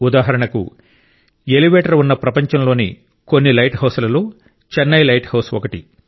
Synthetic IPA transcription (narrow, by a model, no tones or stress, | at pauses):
ud̪aːɦɐɾɐɳɐkṵ | eliʋeːʈɐɾunːɐpɾɐpɐɲt͡ʃɐmlo̞ːnḭ | ko̞nːilɐjʈɦɐwsɐlɐloː | t͡ʃɛnːɐjlɐjʈhɐwsɔkɐʈḭ